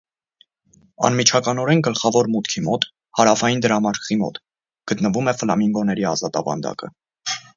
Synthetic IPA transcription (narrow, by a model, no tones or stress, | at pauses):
ɑ̰nmit͡ʃʰɑkɑnɔɾɛnɡəlχɑvɔɾmut̪kʰimɔt̪ | hɑɾɑfɑjind̪əɾɑmɑɾkʰʁ̥imɔ̰t̪ | ɡ̥ət̪nəvumɛfəlɑmiŋɡɔnɛɾiɑ̰zɑt̪ɑvɑ̰nd̪ɑ̰kə̰